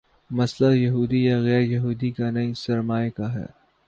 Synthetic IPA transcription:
mɐslajɐɦuːd̪ijaɣɛːɾjɐɦuːd̪ikanɐisɐɾmaːekaɦɛ̰ː

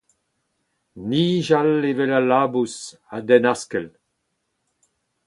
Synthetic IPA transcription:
niːʒalevɛlalaːbus | adɛnaskɛl

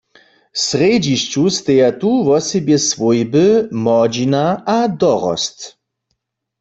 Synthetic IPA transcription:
sʁed͡ʑiʃt͡ʃust̪ejat̪uvɔsɛbjɛsvɔjbɨmɔd͡ʑinaʔad̪ɔʁɔ̰st̪

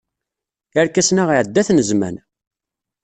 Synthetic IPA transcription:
əɾkæsnaʁiʕd̪ːæθnəzmæ̰n

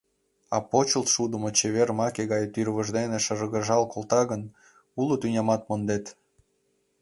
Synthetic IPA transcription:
ɑ̰pot͡ɕəlt̪ʃud̪əmot͡ɕeβermɑkeɣɑjt̪yrβəʒd̪eneʃərəɣəʒɑlkolt̪ɑɣən | ulot̪ynʲɑmɑt̪̚mond̪et̪

